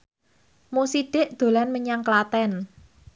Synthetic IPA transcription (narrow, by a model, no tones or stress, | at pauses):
musiɖ̥e̤ʔd̪̥o̤lanməɲaŋklat̪ɛn